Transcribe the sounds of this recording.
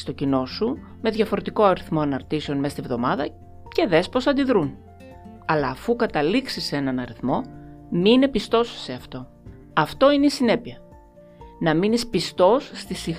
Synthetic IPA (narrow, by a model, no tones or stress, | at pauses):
st̪o̞cino̞su | me̞ðʝɐfo̞ɾe̞t̪iko̞ɐɾiθmo̞ɐnɐɾt̪ise̞o̞nme̞st̪ivðo̞mɐðɐ | ce̞ðe̞spo̞sɐnd̪iðɾun | ɐlɐːfukɐt̪ɐliksise̞nɐnɐɾiθmo̞mine̞pist̪o̞sːe̞ɐft̪o̞ | ɐft̪o̞ineisine̞piɐ | nɐminispist̪o̞sːt̪isi